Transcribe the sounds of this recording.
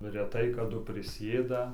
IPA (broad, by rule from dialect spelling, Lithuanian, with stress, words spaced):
rʲɛˈtɐɪ kɐˈdʊ pʲrʲɪˈsʲeːdɐ